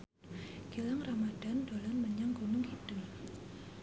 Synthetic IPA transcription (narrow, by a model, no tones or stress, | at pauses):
ɡ̥ilaŋramad̥andolanməɲaŋɡunʊŋhid̥əŋ